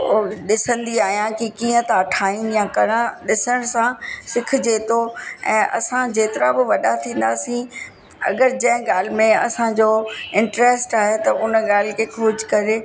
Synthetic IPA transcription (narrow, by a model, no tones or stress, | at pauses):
oɗɪsə̃nd̪iaːɦijãkikĩːə̃t̪aɐʈʰaːin̆jãkɐɽãɗɪsəɽ̃sãsɪkʰd͡ʑeːt̪oɛ̰̃ːʔɐ̰sãd͡ʑeːt̪ɪɾabɪʋɐɗat̪ʰĩːn̆d̪aːsĩ | ɐ̰ɡəɾd͡ʑɐ̃ɦɪ̃ɡaːl̤ɪmẽɐ̰sãd͡ʑoːɪ̃ɳʈɾeːsʈaːɦet̪ɐʊnɠaːl̤ɪkʰeːkʰʊd͡ʑʱkɐɾe